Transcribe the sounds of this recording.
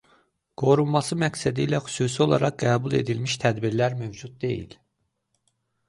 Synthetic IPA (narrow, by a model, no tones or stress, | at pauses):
ɡ̥o̞ɾunmɑsɯmæksæd̪iːlæxy̥suːsio̞lˠɑ̰ɾɑq̚ɡæːbulˠe̞̰d̪ilmiʃt̪ʰæd̪biɾlæɾmøvd͡ʒut̪̚d̪ḛjḭl